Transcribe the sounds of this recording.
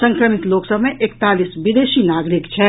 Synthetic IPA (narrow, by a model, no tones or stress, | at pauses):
sə̃ŋkɾəmit̪loːksəbmẽʔekt̪aːlisbid̪eːʃinaːɡɾikt͡ʃʰɛ